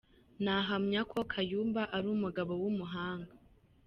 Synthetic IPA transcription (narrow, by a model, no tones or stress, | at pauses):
naɦamɲakʰo̞kʰajuːmbaʔaɾuːmuɡaβowumuɦaːŋɡa